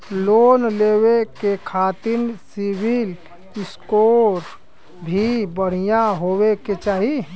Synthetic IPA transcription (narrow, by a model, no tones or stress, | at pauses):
loːnleːwekekʰaːt̪ɪnsɪbɪl | ɪskoːɾ | bʱibəɽ̤ijaɦoːweket͡ʃaːɦi